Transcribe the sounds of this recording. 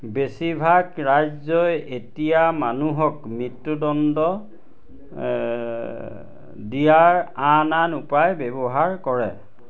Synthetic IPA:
besibʱaɡɹajzɔjetijamanuɦɔkmitːudɔndɔ | dijaɹananupajbɛbɔɦaɹkɔɹɛ

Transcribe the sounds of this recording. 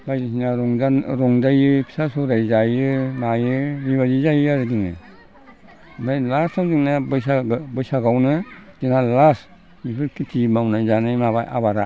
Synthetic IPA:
bajzisinaɾɔŋaɾɔŋdajɯpʰi̥sasɔɾajzajɯmajɯmiβazizajɯaɾɯdiŋnɯ̰ | majlastʰawdiŋnabɯjsaɡbɯjsaɡawnɯd̥ɯnalas | mipʰɯɾkʰitʰimawnajzanɯjmaβa̰jʔa̰baɾa

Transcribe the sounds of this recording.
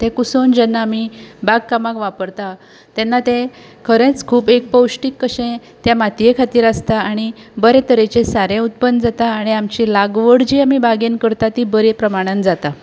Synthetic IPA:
t̪ẽkusond͡ʑɛnːaːmibaɡkamakʋapəɾt̪a | t̪ɛnːat̪ẽ | kʰəɾẽt͡skʰuːpek̚pəwɕʈikːəɕẽ | t̪jamat̪ijekʰat̪iːɾast̪aaɽ̃ibəɾet̪əɾet͡ɕesaɾẽut̪̚pənːd͡zat̪aːɽ̃iamt͡ɕilaɡʋəɽd͡ʑiːamibaɡenkəɾt̪at̪ibəɾepɾəmaɽ̃and͡zat̪a

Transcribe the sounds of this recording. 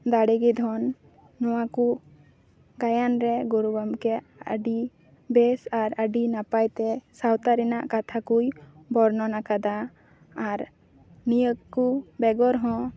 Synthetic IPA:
d̪aɽɛɡid̪ʱɔnː | ɔwaku | ɡajanɾɛɡuɾubamkɛ | ə̰ɖi | bɛsaɾəɖinapajt̪ɛsawt̪aɾɛna̰ʔkat̪ʰakujbɔɾnɔnakad̪aː | ɾ | nijəkkːubɛɡɔɾɦɔ̃

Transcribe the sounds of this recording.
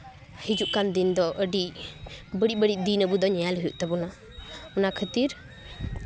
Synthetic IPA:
hid͡ʒuʔkand̪ind̪ɔʔəɖi | bəɖibəɖiʔ̚d̪inəbud̪ɔɲɛjalɦujṵʔt̪ɛbuna | ɔnakʰət̪iɾ

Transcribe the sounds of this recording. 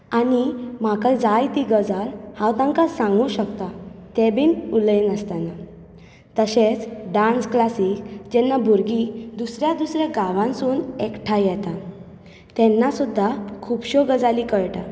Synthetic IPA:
anim̤akajd͡zajt̪iɡəd͡zalhãwt̪ãŋkasãŋɡũɕəkt̪at̪ɛbiːnulinəst̪ana | t̪əɕet͡sɖansklasikd͡ʑɛnːabʱuɾɡid̪usɾjad̪usɾjaɡaʋãnsuːnɛkʈʰajjɛt̪a | t̪ɛnːasud̪ʱːakʰupɕɔɡəd͡zalikəɭʈa̰

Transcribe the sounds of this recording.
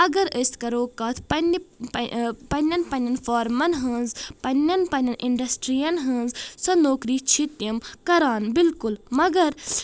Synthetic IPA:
ɐɡɐɾəst̪kɐɾoːkaːt̪ʰpɐni | pɐnʲɐnpɐnʲɐnfaːɾmɐnɦɨnzpɐnʲːɐnpɐnɐnʔiɳɖɐsʈɾijɐnɦɨ̃nzsɐnoːkɾiːt͡ʃʰit̪jɐmkɐɾaːnbilkulmɐɡɐɾ

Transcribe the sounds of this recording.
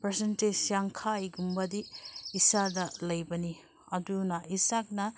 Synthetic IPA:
pɾesentesjaŋkʰajɡumbɐdiːsadɐlɐjbɐni | ɐdunɐisak̚nɐ

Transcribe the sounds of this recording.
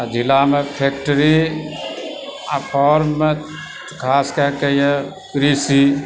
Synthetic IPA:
d͡ʒɪlamepʰeːk̚ʈəɾi | apʰɔːɾmːe | kʰaːskakəije | kɾiːsi

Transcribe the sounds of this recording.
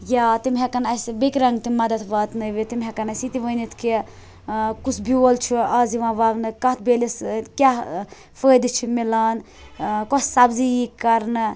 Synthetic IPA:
jaːt̪imɦɛkɐnɐsbekɾɐŋɡt̪imɐd̪ɐt̪ʰʋaːt̪nɨʋit̪imɦɛkɐnɐsit̪iʋəːnit̪ʰki | kut͡sʰbiolt͡ʃʰiaːziʋãːʋɐʋnɨkɐt̪̚ʰbeːliskʲa | fəːd̪ɨt͡ʃʰimilaːn | kɔssɐbzijikːɐɾnɨ

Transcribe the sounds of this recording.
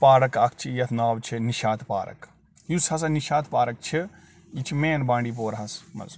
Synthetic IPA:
paːɾɐkɐkʰt͡ʃʰijɐt̪ʰnaːʋt͡ʃʰiniʃaːt̪pa̰ːɾɐ̰k | jushɐs̬ɐniʃaːt̪ʰpaːɾɐk̚t͡ʃʰi | it͡ʃʰimeːnbãːɳɖiːp̬oːɾɦɐsmɐ̰z

